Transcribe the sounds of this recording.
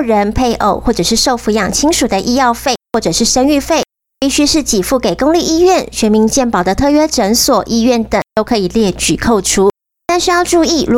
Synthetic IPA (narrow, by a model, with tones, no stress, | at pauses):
ɻə˧˥npʰe˥˧ɪʔo̰˥˨˩ʊxwɔ˥˩ʈ͡ʂɤ˨˩ʂɻ̩˥˧ʂo˥˧ʊfu˧˥jɑ˨˩ŋt͡ɕʰi˥ŋʂu˨˩d̪ə˦ʔi˥˧jɑ˥˧ʊfe˥˩ɪxwɔ˥˩ʈ͡ʂɤ˨˩ʂɻ̩˥˩ʂə˥ny˥˧fe˥˩ɪ | pi˥˧ɕy˥ʂɻ̩˥˩t͡ɕi˨˩fu˥˩ke˨˩ɪkʊ˥˧ŋli˥˧i˥˧ɥɛ˥˩nɕɥɛ˧˥mi˧˥ŋt͡ɕjɛ˥˩npɑ˨˩ʊd̪ə˦t̪ʰɤ˥˧ɥɛ˥ʈ͡ʂə˧˥nswɔ˨˩ʔi˥˧ɥɛ˥˩nt̪ə˨˩ŋt̪o˥ʊkʰɤ˧˥i˨˩ljɛ˥˩t͡ɕy˨˩kʰo˥˩ʊʈ͡ʂʰu˥ | t̪a˥˧nʂɻ̩˥˧jɑ˥˧ʊʈ͡ʂu˥˧i˥˩ɻ